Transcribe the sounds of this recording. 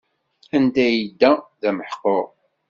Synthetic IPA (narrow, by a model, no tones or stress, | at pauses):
ænd̪æjid̪ːæðæməħqːoɾ